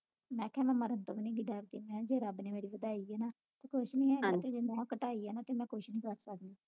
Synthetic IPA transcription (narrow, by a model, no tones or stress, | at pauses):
mɛ̃ːkʰɛ̃ːmɛ̃ːməɾənt̪õ̰ːbinĩːɡiɖəɾd̪iːmɛ̃ːd͡ʒeːɾəbnẽːmeːɾiːʋəd̪aːiːɦɛːnaː | t̪eːkʰʊʃnĩːɦɛːaːt̪eːd͡ʒeːmɛ̃ːkəʈaːiːɦɛːnaːt̪eːmɛ̃ːkʰʊʃnĩːkəɾsəkd̪iː